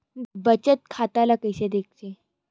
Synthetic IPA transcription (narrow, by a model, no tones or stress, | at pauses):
bət͡ɕət̪̚kʰat̪alakəjɕed̪ek̚ʰt͡ɕe